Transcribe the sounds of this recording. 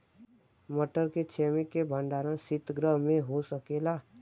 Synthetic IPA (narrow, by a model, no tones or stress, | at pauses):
məʈəɾket͡ʃʰeːmɪkːebʱə̃ɳɖaːɾãsɪt̪ɡɾəɦmẽɦosəkeːlaː